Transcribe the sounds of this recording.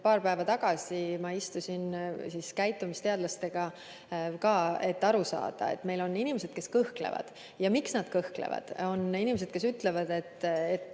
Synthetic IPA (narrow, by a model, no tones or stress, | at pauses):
pɑːɾpæevɑt̪ɑɡ̥ɑsimɑist̪usʲinsiskæjt̪ːˑumist̪e̞ɑd̪lɑst̪e̞ɡ̥ɑ | kɑːe̞t̪ːɑɾusɑ̰ːd̪̥ɑ̰e̞̰t̪ːme̞jlo̞nːinimese̞d̪̥ke̞skɤhklḛvɑ̰d̪̥ | jɑmiksnɑd̪̥̚kɤhklḛvɑ̰d̪̥o̞ninimese̞d̪̥ke̞syt̪ːˑle̞vɑd̪̥e̞t̪ːet̪ː